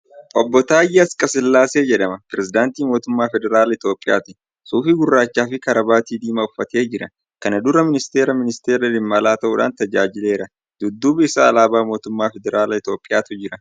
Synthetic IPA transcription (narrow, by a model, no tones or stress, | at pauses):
ʔɔbːɔt̪aːjːɐɐskʼɐsɪlːaːse̞ːd͡ʒɛᶑɐmɐpɾɛzɪd̪aːnt̪iːmo̞ːt̪ʊmːaːfɛd̪ɛɾaːlɐɪt̪o̞ːpʼːɪja̰ːt̪ɪ | suːfiːɡʊrːaːt͡ʃːaːfɪkɐɾɐbaːt̪iːd̪iːmɐʊfːɐt̪e̞ːd͡ʒɪɾɐ | kɐnɐd̪ʊɾɐmɪnɪst̪eːɾɐmɪnɪst̪eːɾɐlɪmːɐlaːt̪ɐʔuːᶑa̰ːnt̪ɐd͡ʒaːd͡ʒɪle̞ːɾɐ | d̪̥ʊd̪ːuːbɪɪsaːlaːbaːmoːt̪ʊmːaːfɛd̪ɛɾaːlɐɪt̪o̞ːpʼːɪjaːt̪ʊd͡ʒɪɾɐ